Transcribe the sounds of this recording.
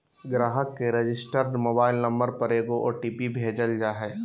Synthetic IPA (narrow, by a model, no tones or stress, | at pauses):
ɡɾaːɦəkːeɾed͡ʒɪsʈəɾmoːbaːɪlnɐ̃mbəɾpɐɾeːɡoʔoːʈiːpibʱeːd͡ʒəld͡ʒaːɦɛː